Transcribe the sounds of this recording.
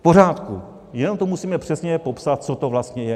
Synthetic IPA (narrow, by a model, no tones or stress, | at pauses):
fpo̞raːt̪ku | jɛno̞mt̪omusiːmɛpr̥ɛsɲɛpo̞psat̪̚t͡sot̪ovlast̪ɲɛjɛ